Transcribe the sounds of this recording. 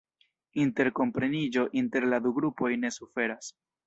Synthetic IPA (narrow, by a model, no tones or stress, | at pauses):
inte̞ɾko̞mpɾe̞nid͡ʒo̞ʔinte̞ɾlad̪uɡɾupo̞jne̞sufe̞ɾas